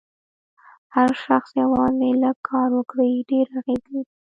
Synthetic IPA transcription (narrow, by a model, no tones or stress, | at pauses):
haɾʃaxsjawɑnelakʰɑɾwəkɽaiɖeɾaɣezi